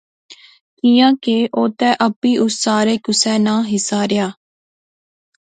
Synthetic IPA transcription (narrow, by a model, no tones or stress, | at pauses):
kijãːkeʔoːt̪ɛːʔəpːiːʔʊsːaːɾeːkʊsɛːnãːɦɪsaːɾɪjaː